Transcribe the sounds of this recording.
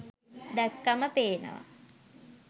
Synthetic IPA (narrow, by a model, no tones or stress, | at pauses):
d̪ækːaməpeːnə̰ʋa̰